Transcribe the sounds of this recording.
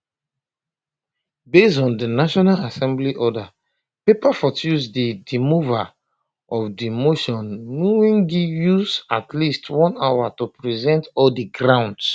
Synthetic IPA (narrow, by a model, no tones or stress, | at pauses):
besɔ̃ndinaʃɔnalasɛ̃mbliʔɔda | pepafɔtuzdidimuva | ɔfdimoʃɔ̃nːuwĩŋɡijuzatlistwɔ̃nawatupɹizɛ̃ntɔldiɡɹãʊ̃nds